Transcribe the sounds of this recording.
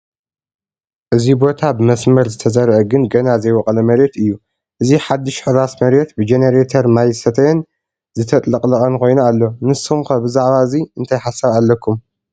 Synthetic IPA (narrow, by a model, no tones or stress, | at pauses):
ʔɨzibo̞t̪ʰabɨmɐsmɐɾzɨt̪ʰɐzɐɾʕɐɡɨnɡɐnazɐjwɔkʼɐlɐmɐɾet̪ɨjːu | ʔɨziħad̪ːɨʃħɨɾasmɐɾet̪bɨd͡ʒeneɾet̪ʰɐɾmajsɐt̪ʰɐjɛn | zɨt̪ʰɐt̪ʼlɐqʼlɐkʼɐnkʰo̞jnualːo̞nɨsumkʰɐbɨzaʕβaɨziɨnt̪ʰajħasːɐβalːɐkʰːum